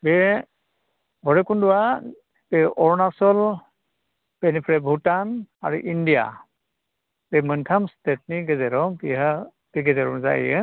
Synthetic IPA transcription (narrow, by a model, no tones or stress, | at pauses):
bɛ | bʱɔɹɛkundʊwa | bɛʔɔɹnasɔl | b̥ɛnipʰɹɛbʱutana̰ɹuʔindija̰ | bɛmɯntʰamstɛtniɡɛzɛɾɔpiɦa | tiɡɛzɛɹɔza̰j̰ɛ̰